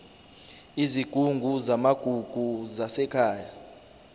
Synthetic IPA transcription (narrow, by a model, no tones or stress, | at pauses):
iziɡ̥ʱuŋɡʱuzamaɡ̥ʱuɡ̥ʱuzasɛkʰaːja